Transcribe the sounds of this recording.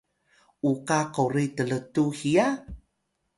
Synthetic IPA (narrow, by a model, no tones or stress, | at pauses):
ʔukakoɾitələtuhia